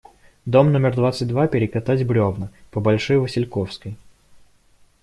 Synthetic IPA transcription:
d̪omnomʲɪrd̪vat̪sɨtʲd̪vapʲɪɾʲɪkɐt̪atʲbɾʲovnəpəbɐlʲʂɔjvəsʲɪlʲkofskəj

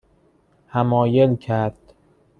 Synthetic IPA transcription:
hæmɒːjelcʰæɾd̪̥

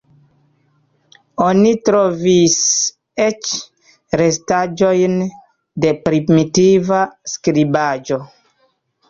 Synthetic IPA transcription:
onitɾovis | et͡ʃ | ɾestad͡ʒojn | depɾimitivaskɾibad͡ʒo

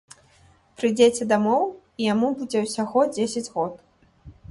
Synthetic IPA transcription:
pɾɨd͡zʲet͡sʲɛd̪amɔw | ijamubud͡zʲɛwsʲaɣɔd͡zʲesʲɐd͡zʲɣɔt̪

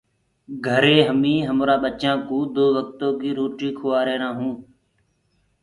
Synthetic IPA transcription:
ɡʱəɾeːɦəmĩːɦəmɾaːɓət͡ʃãːkũːd̪oːʋək̚t̪oːkiːɾoːʈiːkʰoːaːɾeːɾãːɦũː

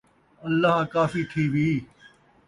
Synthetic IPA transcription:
ɐlːaɦkaːfiːt̪ʰiːʋiː

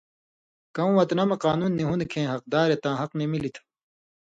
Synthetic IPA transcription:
kɐw̃wɐt̪nɐmɐqaːnuːnːiɦunkʰẽːɦɐq̚d̪aːɾet̪ãːɦɐqnemilit̪ʰ

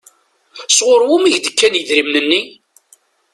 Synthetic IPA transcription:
sʁʊɾwʊmiʝd̪əkːænjəðɾimnənːi

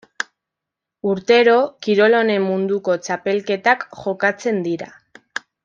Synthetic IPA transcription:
uɾt̪e̞ɾo̞kiɾo̞lo̞ne̞mːund̪uko̞t͡ʃape̞lke̞t̪akʝo̞kat͡se̞nd̪iɾa

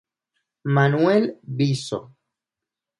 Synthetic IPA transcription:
manwelbiso̰

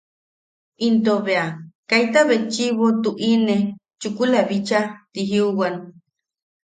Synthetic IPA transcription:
int̪oβeakajt̪aβet͡ʃiβot̪uʔine | t͡ʃukulaβit͡ʃat̪iɦiuwan

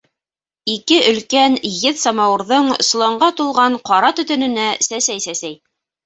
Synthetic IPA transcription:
ikɘʔɵ̆lkænjɘðsɑmɑwɤ̆ɾðɤɴs̆lˠɑɴɢɑt̪ulˠʁɑɴqɑɾɑt̪ɵ̆t̪ɵ̆nɵ̆næsæsæjsæsæj

